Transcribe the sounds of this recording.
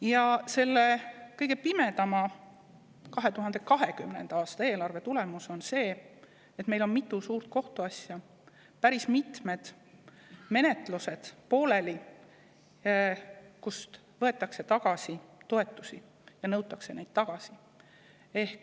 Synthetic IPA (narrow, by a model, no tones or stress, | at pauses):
jɑse̞lːe̞kɤjɡ̥e̞pime̞t̪ɑmɑ | kɑɦe̞t̪uɦɑnd̪̥e̞kɑɦe̞kymne̞̰nd̪̥ɑɑːst̪ɑe̞ːlɑrve̞t̪ule̞musonse̞ː | et̪me̞jlo̞nmit̪ːˑusuːɾt̪̚ko̞ht̪uɑsʲjɑ | pæɾismit̪me̞d̪̥ | me̞ne̞t̪luse̞d̪̥po̞ːle̞li | kust̪ | vɤe̞t̪ːˑɑkse̞t̪ɑɡ̥ɑsit̪o̞e̞t̪ːˑusi | jɑnɤwt̪ːˑɑkse̞ne̞jd̪̥̚t̪ɑɡ̥ɑsi | e̞hk